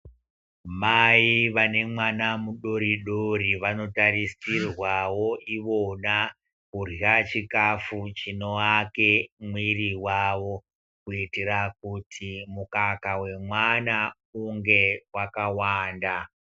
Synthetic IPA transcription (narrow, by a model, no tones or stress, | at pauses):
maiʋane̞mwanamuɗo̞ɾiɗoɾiʋano̞tarisirwawoʔiʋona | kurat͡ʃikafut͡ʃino̞akemwiriwaʋo̞ | kuitiɾak̚utʰimukakawe̞mwana | uŋɡe̞wakawaːnda